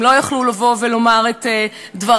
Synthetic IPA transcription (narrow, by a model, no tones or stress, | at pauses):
lo̞jaχlulavo̞velo̞maʁetedvaʁ